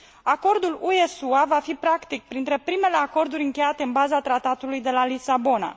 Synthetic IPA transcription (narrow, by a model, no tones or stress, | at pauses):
ako̞rd̪ulue̞suavafipɾakt̪ik̚pɾint̪ɾe̞pɾime̞le̞ako̞rd̪uɾʲɨŋkʲe̞jat̪eɨnbazat̪ɾat̪at̪ulujd̪e̞lalisabo̞na̰